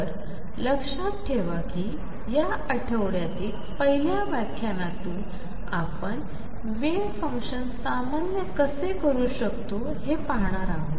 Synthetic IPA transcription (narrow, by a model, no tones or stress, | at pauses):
əɾ | ləkʂat̪̚ʈʰeʋaki | ja | əʈʰəʋɽjat̪iːl | pəɦiljaʋakʰjanat̪uː | a̰pəɳ | ʋe | fə̃ŋkɕənsamanjəkəsekəɾuːɕəkt̪o | hepaɦɳ̃aɾaɦo